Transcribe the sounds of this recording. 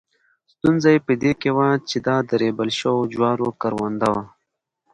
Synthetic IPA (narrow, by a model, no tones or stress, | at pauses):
st̪unzajpid̪ekewat͡ʃid̪aːd̪əɾebəlʃowod͡ʒwaːɾokəɾwand̪awa